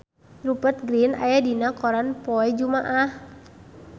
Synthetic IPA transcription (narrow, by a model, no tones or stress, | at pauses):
ɾupət̪̚ɡɾina̰jadinakɔɾanpɔɛd͡ʒumaʔah